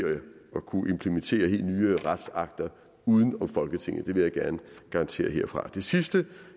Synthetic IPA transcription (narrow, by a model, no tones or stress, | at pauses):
jɒ̽kʰuʔe̝mpʰlement͡sʰe̝̰ːɐhe̝̰ːld̥nyːəʁad̥sɑ̈ɡ̥̚d̥ɐ | uːð̞ˠən̩ɒ̽mfɒ̽lɡ̥ət͡sʰeŋ̰ð̩ˠd̥e̝ʋe̝jɑ̈ɪɡ̥æɐnəɡ̥ɑ̈ʁɑ̈nt͡sʰe̝̰ːɐɦe̝ɐ̰fʁɑ̈d̥e̝sisd̥ə